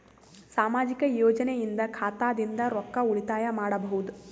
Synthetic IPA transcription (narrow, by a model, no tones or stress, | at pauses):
saːmaːd͡ʒikɐjɔːd͡ʒɐnejind̪ɐkʰaːt̪aːd̪ind̪ɐɾɔkːɐuɭit̪aːjɐmaːɽɐbɐɦud̪u